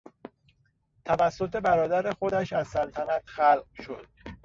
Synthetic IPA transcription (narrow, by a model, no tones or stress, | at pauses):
t̪ʰævæsːo̞t̪ʰe̞bæɾɒːd̪æɾexo̞d̪æʃæzsælt̪ʰænæt̪xælɢʃo̞d̪̥